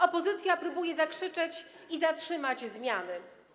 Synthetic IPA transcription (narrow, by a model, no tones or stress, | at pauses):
ɔpɔzɘt̪sʲjapɾubujɛzakʂɘt͡ʂɛt͡ɕ | izatʂɘmad͡ʑzmʲjanɘ